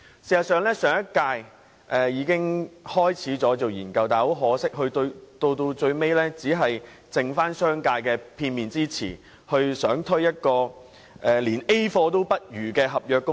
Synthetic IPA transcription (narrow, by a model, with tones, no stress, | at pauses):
siː˨sɐ˨t̚sœː˨ŋlɛː˥sœː˨ŋjɐ˥t̚kaː˧j | ʔɛː˨˩jiː˨˥kɪ˥ŋhɔː˥jt͡sʰiː˨˥t͡sɔː˨˥t͡so˨wjiː˨˩nkɐ˧wt̪aː˨˩ho˨˥wɦɔː˨˥sɪ˥k̚ɦɵ˧ɥt̪o˧wt̪o˧wt̪o˧wt͡ʃɵ˧ɥme˥jlɛː˥t͡siː˨˥ɦɐ˨j | t͡sɪ˨ŋfaː˥nsœː˥ŋkaː˧jkɛː˧pʰiː˧nmiː˨˩nt͡siː˥t͡sʰḭː˨˩ | hɵ˧ɥsœː˨˥ŋt̪ʰɵ˥ɥjɐ˥t̚kɔː˧ | ʔɛː˨˩liː˨˩ne˥jfɔː˧t̪o˥wpɐ˥t̚jyː˨˩kɛː˧ɦɐ˨p̚jœː˨˧kːʊ˥ŋ